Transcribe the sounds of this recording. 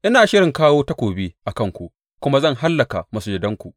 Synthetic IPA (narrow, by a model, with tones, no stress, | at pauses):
ʔɪ˦naː˨ʃɪ˦ɽɪ˨ŋkaː˦woː˦tɐ˦kʷoː˨bi˦ʔa˨kɐ˦˨ŋkʷu˨ʔ | kʷʊ˦ma˦zɐ˦˨ŋɦa˦lːɐ˨ka˨ma˨sʊ˦d͡ʒɪ˨dɐ˦ŋkʷu˨